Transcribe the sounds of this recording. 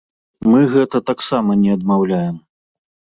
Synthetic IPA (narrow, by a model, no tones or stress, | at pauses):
mɨɣɛt̪ɐt̪aksamɐnʲɛɐd̪mawlʲajɛm